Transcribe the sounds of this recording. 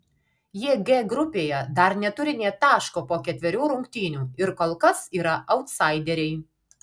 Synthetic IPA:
jiɛɡʲeɡɾʊpʲeːjɛd̪ɐɾnʲɛt̪ʊɾʲɪnʲeːt̪ɑːʃkoːpoːkʲɛt̪ʲʋʲɛɾʲuːɾʊŋʲkt̪ʲiːnʲuːɪɾkoːlˠkɐsiːɾɐʔɐʊt̪sɐɪd̪ʲɛɾʲɛɪ

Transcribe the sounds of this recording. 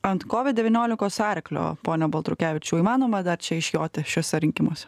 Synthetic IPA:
ɐnt̪koːʋʲɪt̪̚dʲɛʋʲɪnʲoːlʲɪkoːsɑːɾʲklʲo̰ːpoːnʲɛbɐlˠt̪ɾʊkʲæːʋʲɪt͡ʃʲuːiːmɑːnoːmɐd̪ɐɾt͡ʃʲɛɪʃjoːt̪ʲɪʃʲuɔsʲɛɾʲɪŋʲkʲɪmoːsʲɛ̥

